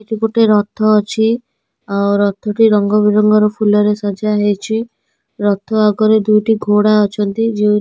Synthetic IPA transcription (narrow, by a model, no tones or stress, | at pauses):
iʈipoʈeɾɔt̪ʰːɔːt͡ʃʰi | awɾɔt̪ʰːɔʈiɾɔŋɡɔbiɾɔŋɡɔɾɔpʰulɔɾesad͡ʒaɦet͡ʃʰi | ɾɔt̪ʰːɔaɡɔɾed̪ujʈiɡʱoɽaɔt͡ʃʰɔnt̪id͡ʒi